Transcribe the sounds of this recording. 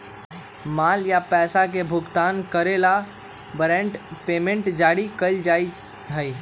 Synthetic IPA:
maːljapɛːsak̬ebʱʊɡt̪aːnkəɾela | bɾɛ̃ːɳʈpeːmẽɳʈd͡ʒaːɽikəld͡ʒaːi | ɦəi

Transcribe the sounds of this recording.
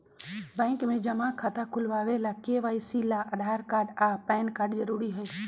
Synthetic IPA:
bɛ̃ːŋkmẽd͡ʒɐmakʰat̪ʰakʰʊlʋaːʋelakeʋaːisilaʔɐd̪ʱaːɾkaːɾɖaːpɛːnkaːɾɖzɐɾuːɾiɦɛe

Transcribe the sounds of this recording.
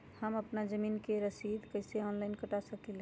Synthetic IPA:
həməpnad͡ʒəmiːnkeɾəsid̪kəɪseɔːnlaɪnkəʈasəkil

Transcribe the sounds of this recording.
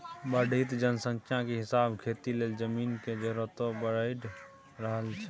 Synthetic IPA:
bəɽʱit̪d͡ʒənsə̃ŋkʰjãkeɦɪsabkʰet̪ileːld͡ʒəminked͡ʒəɾot̪õbəɾəɪʈ | ɾəɦəlt͡ʃʰɛ

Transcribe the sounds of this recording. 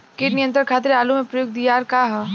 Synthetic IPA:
kɪːʈnijə̃nt̪ɾəɾkʰaːt̪ɾeaːlumẽpɾɐjoːɡ̚d̪ijaːɾkaɦɛ

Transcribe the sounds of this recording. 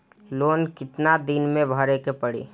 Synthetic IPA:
loːnkɪt̪nad̪ɪnmẽbʱəɾekepəɽḭː

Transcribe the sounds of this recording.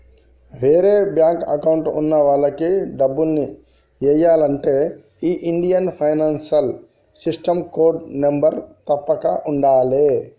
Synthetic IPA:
ʋʱeːɾebjãːŋkɐ̰kaʊɳʈʊ̰nːaʋaːlakeɖɐbulni | jɐjaːlɐɳʈe | iʔiɳɖijɐnpʰajnaːnsɐl | sɪsʈɐmkoːɖnembəɾt̪ɐpːɐkaʔʊɳɖaːleː

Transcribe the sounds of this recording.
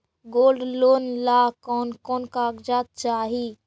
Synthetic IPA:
ɡoːlɖloːnlakɔːnkɔːnkaɡd͡ʒaːt̪̚t͡ʃaːɦi

